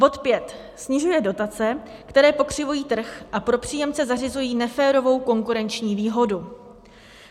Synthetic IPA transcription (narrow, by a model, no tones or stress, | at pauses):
bo̞t̪pjɛt̪ | sɲɪʒujɛdo̞t̪at͡sɛ | kt̪ɛɾɛːpo̞kr̝̥ɪvujiːt̪r̩xʔapɾo̞pr̥iːjɛmt͡sɛzarɪzujiːnɛfɛːɾo̞vo̞wko̞ŋkuɾɛnt͡ʃɲiːviːɦo̞du